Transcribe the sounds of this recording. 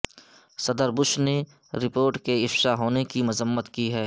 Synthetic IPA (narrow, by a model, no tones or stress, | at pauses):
sɐd̪əɾbʊʃne | ɾɪpoːɾʈkeɪfʃaɦoːnekimʊzəmːət̪kiɦɛː